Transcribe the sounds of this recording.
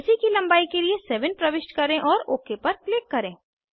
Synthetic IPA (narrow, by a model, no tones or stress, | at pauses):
ʊsikilɐ̃mbaːikeliesɛːʋənpɾɐʋɪʃʈkɐɾẽʔɔːɾoːkepɐɾkleːkːɐɾẽː